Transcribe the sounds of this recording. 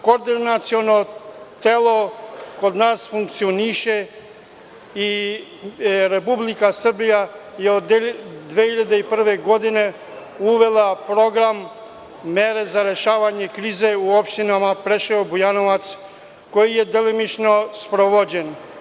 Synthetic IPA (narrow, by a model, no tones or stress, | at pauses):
koɾd̪inat̪sionot̪eloko̞d̪naːsfuŋkt̪sioniʃe | i | ɾepublikasr̩bijajeod̪ʋehiʎad̪eipr̩ʋe̞ɡo̞d̪ine̞ | uʋe̞lˠapɾo̞ɡɾamː | eɾe̞zaɾe̞ʃaːʋaɲe̞kɾiːze̞uopʃt̪inamapɾe̞ʃeobujanoʋat̪s | ko̞jije̞d̪elimit͡ʃno̞spɾoʋod͡ʑen